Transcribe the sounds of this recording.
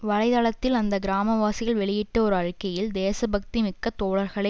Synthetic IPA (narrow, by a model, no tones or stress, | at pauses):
ʋɐɻɐɪðaːɭɐt̪ːɪlɐnd̪ɐɡɪɾaːmɐʋaːsɪɣɐɭʋɛɭɪjɪʈːɐɔɾɯɐɻkːɐjɪld̪eːsɐbɐk̚t̪imɪkːɐt̪ːoːɭɐɾɣɐɭɐ